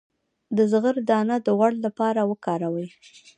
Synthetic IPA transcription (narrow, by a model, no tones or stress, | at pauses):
d̪əzɣəɾd̪ɑnad̪əɣwaɽlapɑɾawəkɑɾawəj